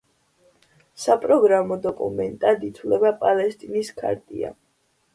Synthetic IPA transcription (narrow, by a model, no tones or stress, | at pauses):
sapʼɾɔɡɾamɔd̪ɔkʼṵmɛnt̪ʼad̪it̪ʰwlɛbapʼalɛst̪ʼiniskʰa̰ɾt̪ʼḭa̰